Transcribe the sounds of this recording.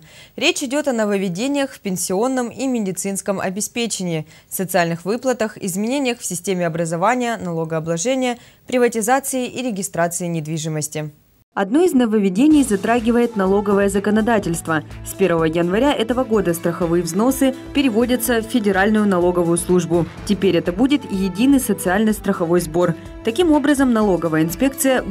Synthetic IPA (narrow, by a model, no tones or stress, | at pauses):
ɾʲet͡ɕɪdʲo̞t̪ɐnəvəvʲɪdʲenʲɪjəxfʲpʲɪnʲsʲɪo̞nːəmimʲɪdʲɪt̪sɨnskəmɐ̰bʲɪspʲet͡ɕɪnʲɪː | fsət̪sɨalʲnɨxvɨplˠət̪əxɪ̰zmʲɪnʲenʲɪjəxfsʲɪsʲtʲemʲɪɐbɾəzɐvanʲɪjənɐlˠo̞ɡəɐblˠɐʐɛnʲɪjə | pɾʲɪvətʲɪzat̪sɨɪʔiɾʲɪɡʲɪst̪ɾat̪sɨɪnʲɪd̪vʲiʐɨməsʲtʲɪ | ɐd̪no̞ɪznəvəvʲɪdʲenʲɪjzɐt̪ɾaɡʲɪvəjɪt̪nɐlˠo̞ɡəvəjəzəkənɐd̪atʲɪlʲst̪vəspʲe̞rvəvəjənvɐɾʲaʔɛt̪əvəɡo̞d̪əst̪ɾəxɐvɨjəvzno̞sɨ | pʲɪɾʲɪvo̞dʲət̪səffʲːɪdʲɪɾalʲnʊjʊnɐlˠo̞ɡəvʊjʊslˠuʐbʊtʲɪpʲeɾʲɛt̪əbudʲɪt̪ijɪdʲinɨjsət̪sɨalʲnɨjst̪ɾəxɐvo̞jzbo̞r | t̪ɐkʲimo̞bɾəzəmnɐlˠo̞ɡəvəjəɪnspʲe̞kt̪sɨjə